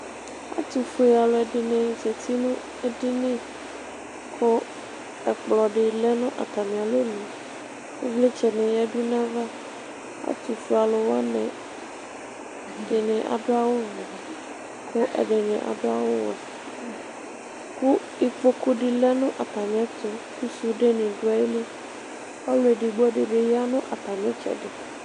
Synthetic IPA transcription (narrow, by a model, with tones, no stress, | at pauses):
a̰˦t̪u˨fu˨e˨a˨lo˨ɛ˨ɖɪ˨nɛ̃˨ze˨t̪i˦nũ˦ | e˦ɖi˦nɛ̃˦ | kʰo˦ | ɛ˨k͡plɔ˨ɖe˨lɛ˦nũ˦ʔa̰˨t̪a˨mĩ˨a˨lo˦nũ˨ | ku˦vle˦t͡ʃɛ˨nũ˨jɛ˦ɖu˦nã˦va˦ | a̰˦t̪u˨fu˨a˨lo˨wa˦nɛ̃˨ | ɖe˨nẽ˨ʔa̰˨ɖo˦a˦wo˦˨ | ko˦ʔɛ̰˨ɖe˨nḛ̃˨ʔa̰˨ɖo˦a˦wo˦wɛ̰˨ | ku˦ | i˨k͡po˦ku˦ɖɪ˨lɛ˦nʊ̃˦ʔa˨t̪a˨mĩ˨a˨t̪o˦ku˦su˦ɖe˦nẽ˨ɖo˦a˨e˦le˦ | a˦lo˨e˨ɖi˨ɡ͡bɔ˦ɖe˨be˨ja˦nʊ̃˦ʔa˨t̪a˨mẽ˨˦t͡ʃɛ̰˨ɖe˨